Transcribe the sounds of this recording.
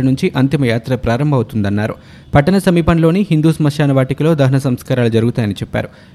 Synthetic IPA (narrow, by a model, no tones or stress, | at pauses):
ɐnuɲt͡ʃiʔɐnt̪imɐjaːt̪ɾɐpɾaːɾɐmbʱɐwut̪und̪ɐnːaːɾu | pɐʈɐnɐsɐmiːpɐnlo̞ːniɦind̪uːsɐmɐʂjaːnɐʋaːʈikilo̞ːd̪ɐɦɐnɐsɐmskaːɾaːlud͡ʒɐɾuɡut̪aːjɐnit͡ʃɛpːa̰ːɾu